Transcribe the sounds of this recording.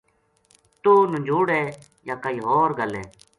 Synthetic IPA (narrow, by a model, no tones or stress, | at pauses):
t̪oːnʊ̃ɲd͡ʒʱoːɽeː | jaːkəiːɦoːɾɡəlɛ̰ː